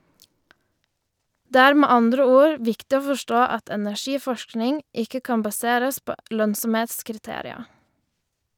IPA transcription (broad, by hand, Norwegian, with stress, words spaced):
ˈdeː ˈæːɾ ˈmeː ˈɑndɾə ˈuːɾ ˈʋɪktɪ ˈoː fɔˈʃtoː ˈɑt ɛnæˈçiːˌfɔʃknɪŋ ˈɪkə ˈkɑːn bɑˈseːɾəs ˈpoː ˈlœnsɔmˌheːtskɪɾˌteːɾɪɑ